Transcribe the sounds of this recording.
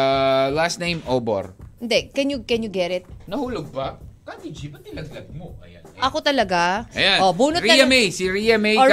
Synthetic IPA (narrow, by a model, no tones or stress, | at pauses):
alast̪nẽjmʔobo̰ɾɪnd̪ɛkɛnjʊkɛnjʊɡɛɾɪt̪̚nɐhuːloɡ̚bɐkad̪id͡ʒipɐt̪ɪlɐɡlɐd̪̚moʔɐ̰janɐʔɐkot̪ɐlɐɡaʔɐjanobuːnoɾɐmɛjsiɾijɐmej